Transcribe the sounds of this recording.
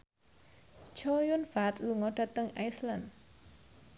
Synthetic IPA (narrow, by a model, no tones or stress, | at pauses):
t͡ʃɔjʊnfat̪luŋɔɖ̥a̤t̪əŋa̰jslan